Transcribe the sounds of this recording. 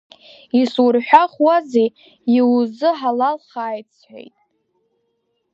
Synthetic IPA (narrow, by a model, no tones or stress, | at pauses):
isurħʷᶣaχwazej | iwzɨħalalχaːjt͡sʰħʷḛjtʼ